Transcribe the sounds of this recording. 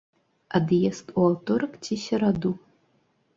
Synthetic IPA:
ad̪jɛst̪uawt̪ɔɾɐkt͡sʲisʲɐɾad̪u

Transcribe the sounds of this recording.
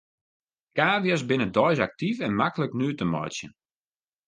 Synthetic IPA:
kaːʋiəs̬bɪnədɔjs̬ak̚tifɛnmakələknyːtəmɔ̰jsjə̰

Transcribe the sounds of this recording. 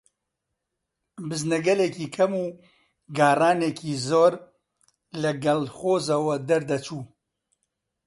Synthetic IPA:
bɨznɐɡɐlekiːkʰɐmuː | ɡaːraːneːkʰiːzoːɾ | lɐɡɐlxoːzɐwɐd̪ɐɾd̪ɐt͡ʃuː

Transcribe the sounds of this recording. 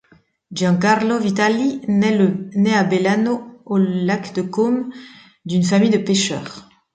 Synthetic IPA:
d͡ʒɑ̃kaʁlovit̪aliɛnɛabelanoːlakd̪əkɔm | d̪ynfamijd̪əpeʃœ̰ʁ

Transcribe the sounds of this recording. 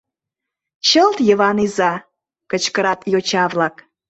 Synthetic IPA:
ɕəlt̪jəβɑnizɑ | kət͡ɕkəɾɑt̪jot͡ɕɑvlɑk

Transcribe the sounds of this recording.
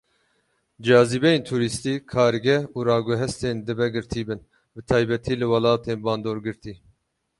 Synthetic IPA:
d͡ʒɑːzibɛjeːnt̪ʰuːɾist̪iːkʰɑːɾɡɛuːɾɑːɡuɦɛst̪eːnd̪ɨbɛɡɨɾt̪ʰiːbɨn | bɨt̪ʰɑːjbɛt̪ʰiːlɨwɑlɑːt̪ʰeːnbɑːnd̪oːɾɡɨɾt̪ʰiː

